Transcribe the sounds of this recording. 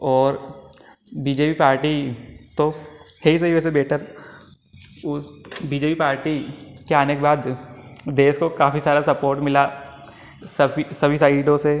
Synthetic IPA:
ɔːɾ | biːd͡ʒeːpipaːɾʈit̪oheɦis̬ɐɦiʋɛːs̬ebɛːʈʰəɾ | ʊbiːd͡ʒeːpipaːɾʈikeaːnekebaːd̪d̪eːskokaːfisaːɾasɐpoːɾʈmɪla | sɐbisɐbʱisaɪɖõse

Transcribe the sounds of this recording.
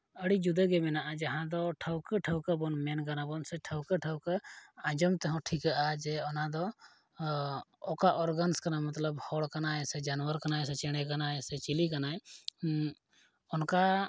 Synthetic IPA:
əɽid͡ʒud̪əɡɛmɛnaʔad͡ʒaɦãd̪ɔʈʰəwkəʈʰəwkəbɔnmɛnɡanabɔnsɛʈʰəwkəʈʰəwkəãd͡ʒɔmt̪ɛɦɔ̃ʈʰikaʔad͡ʒɛɔnad̪ɔ | kaʔɔɾɡənskanamɐt̪ləbhɔɽkanaɛsɛd͡ʒanwəɾkanaɛsɛt͡ʃɛɽ̃ɛkanaɛsɛt͡ʃilikanaj | ɔnka

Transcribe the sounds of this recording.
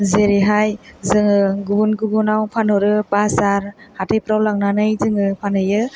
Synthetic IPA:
zeɾiɦajzɯŋɯɡubunɡubunawpʰanɔɾɯpasaɾhatejpɾawlaŋnanɯjzɯŋɯpʰanɯjɯ

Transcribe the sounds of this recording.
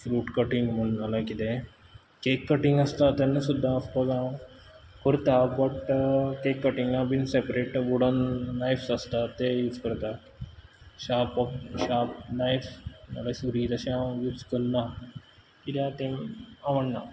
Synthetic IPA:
fɾuːʈkəʈiŋɡm̤əɳnalakit̪ẽ | kekːəʈĩŋɡəst̪at̪enːəsud̪ʱːaəspəɡã | kəɾt̪abəʈkekːəʈiŋɡnabinsepɾeʈʋuɽənːajfsəst̪at̪ejud͡zkəɾt̪a | ɕapɔɕap̚najfnə̰ɡəjsuɾit̪əɕãjuːd͡zkəɾna | kit̪ãt̪ẽmaʋəɳna̰

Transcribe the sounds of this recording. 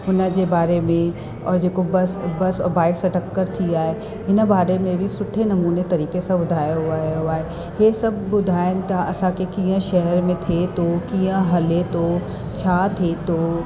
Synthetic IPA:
ɦʊnəkebaːɾemẽ | ɔ̰ːɾd͡ʒeːkobɐsbɐsɔ̰ːɾbaːɪksɐʈəkːəɾt̪ʰiaːe | ɪnbaːɾemẽbʱisʊʈʰenɐmuːnet̪ɐɾiːkesãbʊd̪ʱaːjaɦʊaːɦuaːe | jesɐb̚ːʊd̪ʱaːjnt̪aʔɐsãkekijãʃɛɦɛɾmẽt̪ʰet̪okijãɦɐlet̪o | t͡ʃʰaːt̪ʰet̪oː

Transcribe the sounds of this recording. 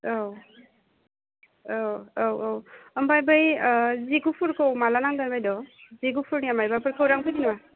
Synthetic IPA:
ow | owowowɔmbajbajziɡupʰuɾkɯwmalanaŋdanbajdɔziɡupʰuɾniamajbapɯɾkɯwɾaŋpʰɯjninma

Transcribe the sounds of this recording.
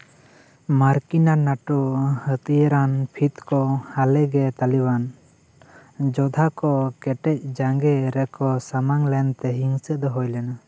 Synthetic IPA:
maɾkinanaʈɔhət̪ijəɾanpʰit̪kɔhalɛɡɛt̪aliban | d͡ʒɔd̪ʱakɔkɛʈɛc̚ˀd͡ʒaŋɡɛɾɛkɔsamaŋlɛnt̪ɛɦiŋsəd̪ɔɦɔjlɛna

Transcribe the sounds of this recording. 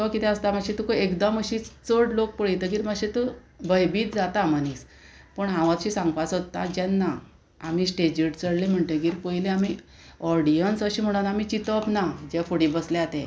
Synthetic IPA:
tɔkit̪ɛ̃əst̪amaɕit̪ukoekd̪əməɕit͡səɽlok̚pəɭjt̪əɡiːɾmaɕit̪u | bəjbiːt̪̚d͡zat̪amaniːs | pəɳɦãʋãt̪ɕisãŋɡpat͡sot̪ːa̰d͡ʑɛnːa | amiːsʈed͡ʑiʈt͡səɽlem̤əɳʈ̪eɡiːɾpojleami | ɔɾɽijənsəɕiːm̤əɽ̃unamit͡ɕit̪əpnad͡ʑɛfoɽibəsleat̪ẽ

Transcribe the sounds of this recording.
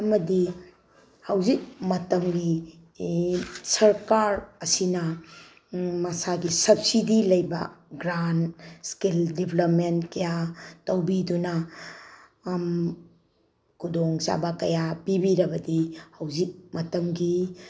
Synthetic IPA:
ɐmɐdi | hɐwzik̚mɐtɐmɡi | sɐɾkaɾɐsinɐ | mɐsaɡisɐp̚sidilɐjbɐ̰ɡɾanskildibʱlɐp̚mentkɐjatɐwbidunɐ | m | kʰudoŋza̰bɐkɐjapibiɾɐbɐdihɐwzik̚mɐtɐmɡi

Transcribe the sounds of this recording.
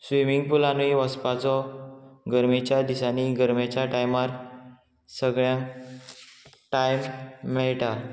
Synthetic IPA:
sʋimiŋɡ̚pulaniʋəspat͡sɔ | ɡəɾmit͡ɕjad̪isaniɡəɾmet͡ɕaʈajmaɾ | səɡɭjãŋ | ʈajmːɛɭʈa

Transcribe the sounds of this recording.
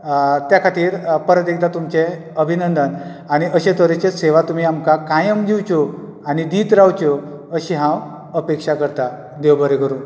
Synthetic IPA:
t̪jakʰaʈ̪iːɾpəɾət̪ek̚d̪at̪umt͡ɕe | əbʱinənd̪ən | aɽ̃iʔəɕẽt̪əɾet͡ɕeseʋat̪um̤iːamkakãjəmd͡ʑiwt͡ɕo | añid̪iːt̪ɾawt͡ɕo | əɕĩɦãw | əpekʂakəɾt̪a | d̪ewbəɾekəɾũː

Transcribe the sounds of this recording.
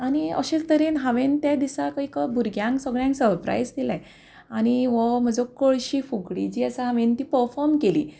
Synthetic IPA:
añiə̰ɕet͡st̪əɾinɦaʋent̪jad̪isakaikabʱuɾɡʱjãŋksəɡɭjãŋksəɾpɾa̰jd͡zd̪ilaj | aɽ̃iʋɔm̤əd͡zɔkoɭɕiːfuɡɽḭd͡ʑiːəsaɦaʋent̪iːpəɾfɔɾmkelḭː

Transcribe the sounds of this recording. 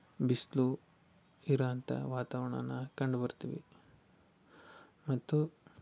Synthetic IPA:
bislu | iɾaːnt̪ɐ̰ʋaːt̪aʋɐɳɐ̰nːɐkɐɳɖbɐɾt̪iʋḭ | mɐt̪ːu

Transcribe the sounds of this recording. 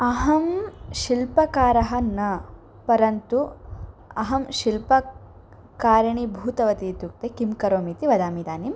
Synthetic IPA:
ɐɦɐmʃilpɐkaːɾɐɦɐ̆nɐ | pɐɾɐnt̪u | ɐɦɐmʃilpɐ | kaːɾɐɳibʱuːt̪ɐʋɐt̪iːt̪uk̚t̪ekimkɐɾoːmiːt̪iʋɐd̪aːmid̪aːnim

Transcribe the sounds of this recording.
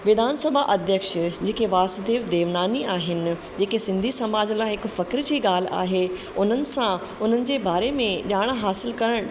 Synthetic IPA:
ʋɪd̪ʱaːnsəbʱaʔɐd̪ʱjəkʃd͡ʑeːkeʋaːsd̪eːʋd̪eːʋnaːniaːɦɪnɪ̆ | d͡ʑeːkesɪ̃nd̪ʱisɐmaːd͡ʑlaːɦɪkfɐkɾd͡ʑiːɠaːl̤̆a̰ːɦe | ʊn̤ənɪ̆sã | ʊn̤ənɪ̆d͡ʑeːbaːɾemẽʄaːɽ̃ɦaːsɪlkɐɾəɽ̃

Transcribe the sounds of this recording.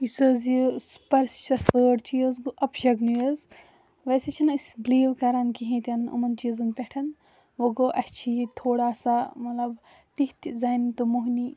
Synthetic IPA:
isɐzjispɐɾst͡ʃɐsəːɖt͡ʃʰijozɡɨʔɐpʃɐɡnujɐz | ʋɐset͡ʃʰinɨsbliːʋkɐɾɐnkiɦẽːt̪ʲɐnṵmɐnt͡ʃizɨnpʲeʈʰɐn | ʋoɡoʔɐst͡ʃʰiit̪ʰoːɽaːsamɐt̪lɐb | t̪iht̪zɐːnt̪ɨmuɦni

